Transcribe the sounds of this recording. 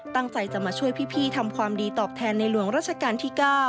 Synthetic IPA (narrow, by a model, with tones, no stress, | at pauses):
t̪a˥˩ŋt͡ɕa˧jt͡ɕa˨˩maː˧t͡ɕʰu˥˩əjpʰiː˥˩pʰiː˥˩t̪ʰa˧mkʰwaː˧mdiː˧t̪ɔː˨˩p̚t̪ʰɛː˧nːa˧jlu˩˦əŋɾaː˥˩t̪̚t͡ɕʰa˧kaː˧nt̪ʰiː˥˩kaː˥˩